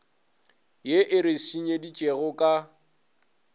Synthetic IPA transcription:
jeʔɪɾɪsiɲedit͡ʃʼeɣʊkʼa

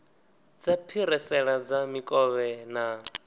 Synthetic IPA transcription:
d͡zapʰiɾɛsɛɺad͡zamikʼɔβɛna

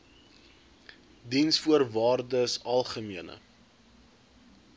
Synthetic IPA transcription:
dinsfuərvɑːrdəsɐlˠχəmiənə̰

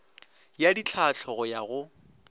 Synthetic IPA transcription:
jadit͡ɬʰat͡ɬʰɔɣʊjaɣʊ

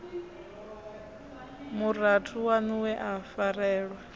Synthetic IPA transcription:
muratʰuwanuwɛʔafaɾɛːɺwa

